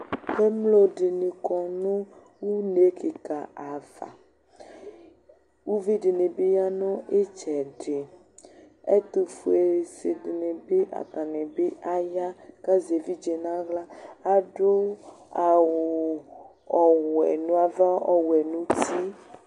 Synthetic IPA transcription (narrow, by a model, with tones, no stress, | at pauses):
e˦mlo˦ɖe˨nĩ˨kɔ˨nũ˦ | wu˦ne˨˦ke˨ka˨a˨va̰˨ | wu˦vi˦ɖe˨nẽ˨be˦ja˦nɔ̃˦ʔe˦t͡ʃɛ˨ɖe˨ | ḛ˦t̪u˨fu˨e˨se˨ɖe˨ne˨be˦ʔa̰˨t̪ã˨nẽ˨be˦ʔa˦ja˦ka˦ze˨vi˦d͡ʒe˨nã˦ɣla˦a˦ɖo˦ | a˨wo˨ | ɔ˨wɛ̰˨nũ˦a˨va˦ɔ˦wɛ˨nũ˦t̪i˦